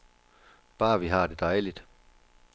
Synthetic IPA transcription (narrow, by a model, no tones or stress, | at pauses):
pæːʋiɦæːd̪it̪ɑːelit̪